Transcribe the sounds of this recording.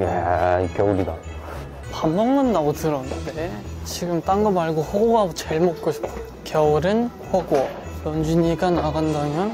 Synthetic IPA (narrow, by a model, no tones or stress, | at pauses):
jḛikjʌuɾida̰ | pamːʌŋmɯnːaɡotɯɾʌnɯnde̞t͡ɕiɡɯmt͈aŋɡʌmaɭɡoɸoɡoɡamot͡ɕeɭmok̚k͈oɕʰi̥p̚ta | kjʌuɾɯn | ɸoɡo | jʌnd͡ʑiɲiɡanaɡandamjʌn